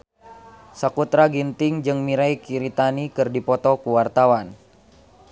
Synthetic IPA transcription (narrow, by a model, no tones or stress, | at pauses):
sakut̪ɾaɡint̪ɪŋd͡ʒɨŋmiɾaikiɾit̪anikɨrdipɔt̪ɔkuwart̪awan